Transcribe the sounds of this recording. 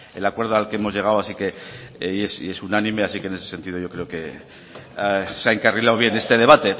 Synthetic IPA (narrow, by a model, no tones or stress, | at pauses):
ḛlakwe̞ɾð̞oalkeemo̞zʝe̞ɣ̞awasike̞ | ese̞sunanĩme̞asikene̞sese̞nt̪ið̞o̞ʝokɾe̞oke̞ | seaeŋkarilawβ̞je̞nest̪e̞ðe̞β̞at̪e̞